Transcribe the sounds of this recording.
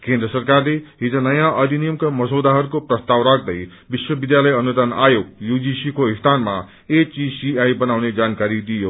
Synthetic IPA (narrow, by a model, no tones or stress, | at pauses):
kẽnd̪ɾəsʌrkarleɦid͡zanʌjãʔʌd̪ʱinijəmkamʌsod̪aɦʌɾukoprʌst̪awɾak̚d̪ʌj | biswʌbid̪jaləjʌnud̪anajoɡ̚jud͡ʒisikoist̪anma̰ | et͡ʃisiajbʌnawned͡zankaɾid̪ijo